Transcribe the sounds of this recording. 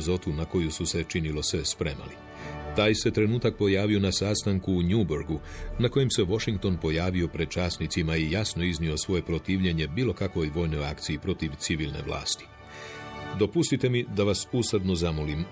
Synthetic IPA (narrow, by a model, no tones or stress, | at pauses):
zo̞t̪unako̞jususe̞t͡ʃinilo̞sespɾe̞̰ma̰li | t̪aːjse̞t̪ɾe̞nuːt̪ak̚po̞jaːʋio̞nasaːst̪aŋkuːɲuboɾɡunako̞je̞mse̞ʋo̞ʃiŋk̚t̪o̞npo̞jaːʋio̞pɾed̪̥̚t͡ʃaːsnit̪simaijasno̞iznio̞sʋo̞je̞pɾo̞t̪iːʋʎe̞ɲe̞biːlo̞kakʋo̞jʋo̞ːjno̞ja̰kt̪sijipɾo̞t̪iʋt̪siʋiːlne̞̰ʋlˠa̰ːst̪i̥ | d̪o̞pust̪it̪e̞mid̪aʋasust̪ad̪no̞zamolim